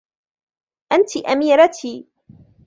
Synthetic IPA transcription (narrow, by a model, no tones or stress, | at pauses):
ʔant̪ɪʔamiːɾat̪ʰiː